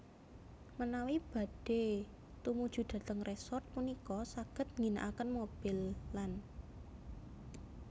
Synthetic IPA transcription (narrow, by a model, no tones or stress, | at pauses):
mənawib̥a̤d̥e̤ | t̪umud̥ʒ̥ṳd̪̥ä̤t̪əŋrʔesɔrt̪̚punikɔsaɡ̥ə̤t̪̚ŋɡina̰ʔakənmob̥ilːan